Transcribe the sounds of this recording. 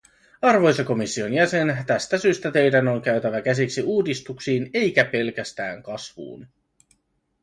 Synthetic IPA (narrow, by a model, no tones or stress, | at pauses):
ɑrʋo̞jseko̞misːio̞njæse̞nt̪æst̪æsyːst̪æt̪e̞jdæno̞ŋk̟æɥt̪æʋæk̟æsiksiuːdist̪uksiːne̞jk̟æpe̞lk̟æst̪æ̰ːŋkɑsʋṵːn